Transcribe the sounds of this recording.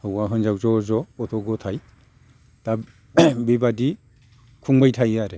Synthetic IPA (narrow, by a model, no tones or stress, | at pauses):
hɯwaɦɯnzawzɔzɔɔtʰɔɡɔtʰaj | ta | bibadi | kʰuŋbajtʰajaɾe